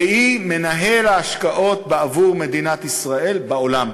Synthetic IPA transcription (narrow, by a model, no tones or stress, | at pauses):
ime̞naɦe̞laːʃkaʔo̞t̪beavuʁme̞d̪inat̪isʁae̞lbaolam